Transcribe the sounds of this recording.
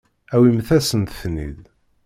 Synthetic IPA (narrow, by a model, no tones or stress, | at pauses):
æwimθæsənt̪θnḭð